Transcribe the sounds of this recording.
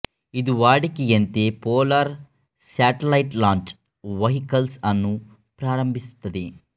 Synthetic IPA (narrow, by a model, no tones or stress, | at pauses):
id̪uʋaːɽikijɐnt̪eːpoːlɐɾ | saːʈɐlɐjʈlaːɲt͡ʃ | ʋɐɦikɐlsɐnːu | pɾaːɾɐmbʱisu̥t̪ːɐd̪i